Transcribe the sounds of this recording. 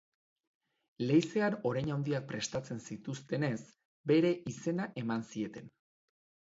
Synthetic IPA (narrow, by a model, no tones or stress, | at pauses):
le̞jse̞ano̞ɾajnawnd̪iak̚pɾe̞st̪at͡se̞nsit̪ust̪e̞ne̞s | be̞ɾe̞ʔise̞naʔe̞mansie̞t̪e̞n